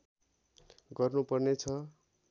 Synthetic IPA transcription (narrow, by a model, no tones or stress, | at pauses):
ɡʌrnupʌrnet͡sʰʌ